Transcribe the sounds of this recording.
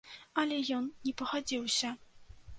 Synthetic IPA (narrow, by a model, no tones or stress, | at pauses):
ɐlʲɛjɔnnʲɛpɐxad͡zʲiwsʲɐ